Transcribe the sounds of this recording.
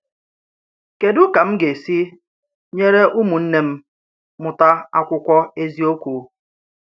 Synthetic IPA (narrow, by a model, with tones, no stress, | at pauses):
ke˨dʊ˦ka˨m̩˦ɡe˨si˦ | ɲe˦ɾe˦ʔu˦mu˨n̩˦ne˦m̩˦ | mʊ˨ta˦a˦kʷʊ˦kʷɔ˦e˦zi˦o˦kʷu˨